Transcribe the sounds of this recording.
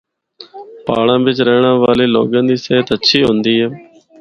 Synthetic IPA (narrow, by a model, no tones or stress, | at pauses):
paːɽãːʋɪt͡ʃɾeːɳãːʋaːleːlo̰ːɠə̃ːnd̪iːseːət̪əʃʰiːɦʊ̃ːnd̪iːɦɛː